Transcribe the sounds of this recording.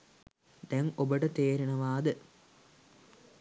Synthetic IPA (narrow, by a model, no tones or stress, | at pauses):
d̪æŋobəʈət̪eːɾeɳɐʋaːd̪ɨ